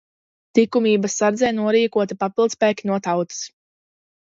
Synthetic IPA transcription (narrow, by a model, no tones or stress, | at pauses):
t̪ikumiːbasːaɾd̪zɛjnuɔɾiːkuɔt̪ipapilˠd̪spɛːkʲinuɔt̪awt̪ɨ̥s